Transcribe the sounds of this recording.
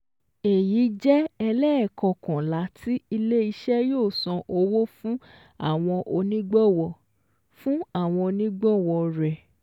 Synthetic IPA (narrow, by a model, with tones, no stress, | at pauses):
e˨ji˨˦d͡ʒɛ˦ɛ˧lɛ˦ɛ˦˨kɔ̃˨kã˨la˨˦tʰi˦i˧le˦i˧ʃɛ˦joː˦˨sɔ̃˧ʔo˧wo˦fũ˦ | a̰˦˨w̃ɔ̃˧ʔo˧nĩ˦ɡ͡bɔ˦˨wɔ˧ | fũ˦a˦˨w̃ɔ̃˧o˧nĩ˦ɡ͡bɔ˦˨wɔ˧ɾɛ˨